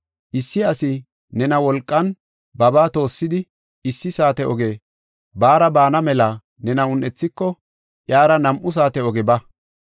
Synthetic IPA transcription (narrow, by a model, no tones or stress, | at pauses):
ʔɪsːɪɐsɪ | nɛnɐwɔlkʼːɐn | bɐbaːt̪o̞ːsːɪd̪ɪ | ɪsːɪsaːt̪ɛʔɔɡe̞ː | baːɾɐbaːnɐmɛlɐ | nɛnɐʊnʔɛt͡sːɪkːɔ | ʔjaːɾɐnɐmʔʊs̬aːt̪ɛɔɡɛbɐ